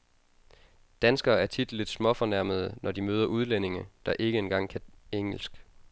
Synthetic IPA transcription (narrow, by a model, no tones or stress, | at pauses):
d̥ænsɡ̥ɐːæɐt͡sʰid̥l̩ed̥smɒ̽fɒ̽næɐməð̞̩ˠənɒd̥imøːðˠɐuð̞ˠlene̝ŋəd̥ɑ̈ʔe̝ɡ̥əe̝nɡ̥ɑ̈ŋ̰kʰæeŋ̰l̩sɡ̥